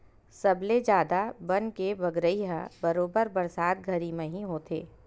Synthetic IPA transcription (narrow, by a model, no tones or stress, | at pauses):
sɐbled͡ʒjaːd̪abɐnkeʋɐɡɾəiɦãbɐɾoːbəɾbɐɾsaːd̪̚ɡʱɐɾimẽɦiɦoːt̪eː